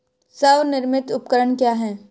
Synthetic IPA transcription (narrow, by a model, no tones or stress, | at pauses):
səʋnɪɾmɪt̪ʊpkəɾəɳkjaːɦɛː